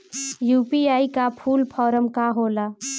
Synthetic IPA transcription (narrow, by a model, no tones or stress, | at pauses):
juːpiaːikapʰuːlpʰɔːɾəmkaɦoːlaː